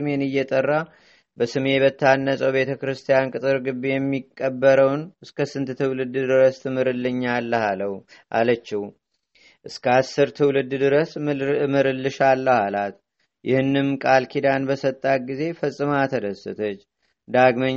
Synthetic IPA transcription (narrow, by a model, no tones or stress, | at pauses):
ɨme̞nɨjːɛt̪ʼərːa | bəsɨme̞bət̪ʰːanːəsʼəwbe̞t̪ʰəkɾɨst̪ʰijankʼɨt̪ʼɨɾɡɨbːejɛmːikʼːəbːəɾəwnɨskʰəsɨnt̪t̪ʰɨwlɨd̪d̪ɨɾəst̪ɨmɨɾɨlːɨɲːalːəhaləw | ʔa̰lət͡ʃːɪh | ʔɨskʰəasːɨɾt̪ʰɨwlɨd̪ːd̪ɨɾəsmɨɾɨlːɨʃalːəhalat̪ | jʔɪhɨnːɨmkʼalkʰid̪anbəsət̪ʼːat̪̚ɡize̞fəsʼɨmat̪ʰəd̪əsɨ̰t̪ʰət͡ʃː | d̪aɡməɲ